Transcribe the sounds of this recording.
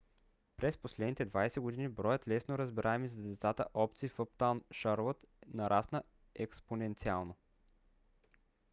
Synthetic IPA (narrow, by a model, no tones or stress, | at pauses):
pɾɛsposlɛd̪nit̪ɛd̪vajsɛɡod̪inibɾɔjət̪lɛsnoɾəzbiɾʔaɛmizɐd̪ɛt̪sat̪ə̰ʔɔp̚t̪sifəp̚t̪anʃaɾlˠot̪nɐɾʔasnə | ɛksponɛnt̪sialˠno